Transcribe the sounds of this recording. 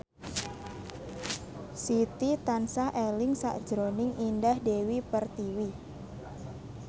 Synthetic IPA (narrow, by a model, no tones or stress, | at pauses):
sit̪it̪ansaʔelɪŋsa̰ʔd̥ʒ̥ɾonɪŋʔindahdewipərt̪iwi